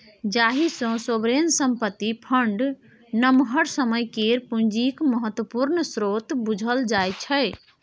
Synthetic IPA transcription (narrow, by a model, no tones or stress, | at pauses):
d͡ʒaɦisə̃sobɾensəmpət̪ːipʰəɳɖ | nəmɦəɾsəməjkeɾpũnd͡ʒikməɦət̪wəpuɾnsɾot̪bud͡ʒʱəld͡ʒajt͡ʃʰəj